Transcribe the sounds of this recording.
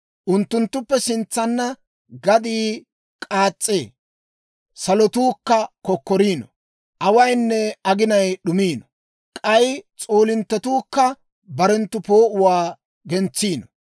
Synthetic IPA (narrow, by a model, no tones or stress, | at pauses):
ʔʊnt̪ːʊnt̪ːʊpːɛsɪnt͡sːɐnːɐ | ɡɐd̪iː | kʼaːt͡sʼːeː | sɐlɔt̪uːkːɐkɔkːɔɾiːnɔ | ʔɐwɐjnːɛɐɡɪnɐjɗʊmiːnɔ | kʼɐjt͡sʼoːlɪnt̪ːɔt̪uːkːɐ | bɐɾɛnt̪ːʊpo̞ːʔʊwaː | ɡɛnt͡sːiːnɔ